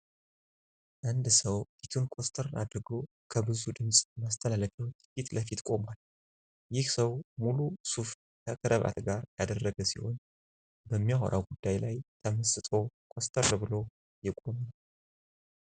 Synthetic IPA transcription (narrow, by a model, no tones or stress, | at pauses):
ʔand̪səwfit̪ʰunkʰʼost̪ʰəɾad̪ɾɨɡo̞ | kʰəbɨzud̪ɨmsʼmast̪ʰəlaləfɛwt̪fit̪ləfit̪kʼo̞mal | jɪhsəwmulusuf | kʰəkʰəɾəβa̰t̪ɡaɾja̰d̪ərːəɡəsḭho̞̰n | bəmːijaɦo̰ɾʔa̰wɡud̪ːajlajt̪ʰəməsɨt̪ʼo̞kʼost̪ʰəɾbɨlo̞ | jɪkʼomnw